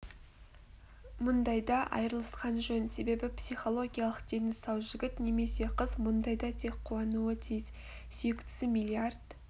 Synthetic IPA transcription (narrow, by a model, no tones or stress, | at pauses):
mʊnd̪ɑjd̪ɑʔɑ̰jɾəlˠəsqɑnʒɵnse̞be̞bɪpsiχo̞lˠo̞ɡʲijalˠəqd̪̥e̞nɪsɑwʒɪɡʲɪt̪ne̞me̞se̞qʰəzmʊnd̪ɑjd̪ɑt̪ʰe̞k̚qʰːuwɑnuət̪ʰijɪz | sʏjɪkt̪ɪ̥sɪmilʲiard̪̥